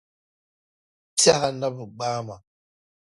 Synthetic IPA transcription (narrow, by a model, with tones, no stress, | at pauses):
ta˦ɦa˨na˦bɨ˨ɡ͡baː˦ma˨